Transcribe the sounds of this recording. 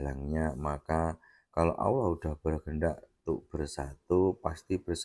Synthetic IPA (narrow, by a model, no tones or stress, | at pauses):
laŋɲamaka | kalo̰ʔa̰wlahud̥ahb̥əɾaɡəɳɖaʔt̪uʔb̥ərsat̪upast̪ib̥ərs